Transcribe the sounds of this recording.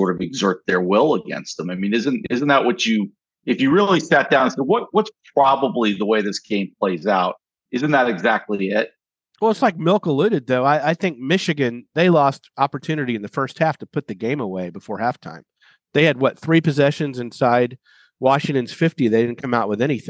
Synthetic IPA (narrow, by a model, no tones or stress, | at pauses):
sɔɹɾʌvɨɡzɜ˞t̪̚ðə˞wɪlˠəɡɛ̰̃nst̪̚ðə̃maɪmĩnɪzɨ̃ntɪz̃n̩ðəʔ̚wʌt͡ʃɨ | ɨfjɨɹɪlˠisæt̚d̥ãʊ̃nnsɛwʌt̚wʌtspʰɹ̥ɑbəbliðəweɪðɪsɡ̥ẽɪ̃mpʰl̥eɪzaʊt̚ | ɪzɨ̃nðəɾɨɡzæk̚tˡliɪt̚ | wɛlˠətslaɪk̚mɪlˠkəlʉɾɨd̪̚ðoʊaɪaɪθɪ̃ŋk̚mɪʃɨɡɨ̃nðeɪlɔstɑpə˞tʰʉnɨɾiɨ̃nðɨfɜ˞st̚hæftʰəpʰʊt̪̚ðɨɡẽɪ̃məweɪbəfɔɹhæftʰã̰ɪ̃m | ðeɪɨd̚wʌt̪̚θɹipɨzɛʃɨ̃nzɨ̃nsaɪd̚ | wɑʃɪ̃ŋtɨ̃nz̥fɪftiðeɪɾɪdⁿn̩kʰʌ̃maʊʔ̚wəðɛñiθɪ̃